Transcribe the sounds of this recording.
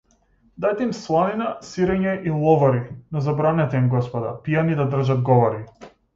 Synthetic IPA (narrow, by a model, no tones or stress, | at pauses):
d̪ajt̪ɛimslˠaninasiɾɛɲɛʔilˠɔvaɾinɔzabɾanɛt̪ɛimɡɔspɔd̪a̰pijanid̪ad̪r̩ʒad̪̚ɡɔvɔɾi